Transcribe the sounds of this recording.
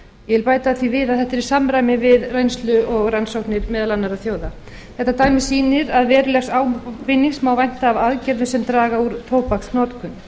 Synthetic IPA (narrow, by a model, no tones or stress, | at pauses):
jɛɪlpaːjt̪aθvivɪːðaðθɛht̪ɛɾi̥samɾajmɪvɪðrejnst̪lʏɔɣransowknɪɾmɛːðalanːaɾaθjoːwða | θθɛht̪ːat̪aːjmɪ̥siːnɪɾaðvɛːɾʏlɛxsaːwpɪnːiŋsmawvajn̥t̪aːvaðcɛɾðʏsɛmt̪ɾaːɣauɾt̪ʰowpaksnɔːt̪kʰʏn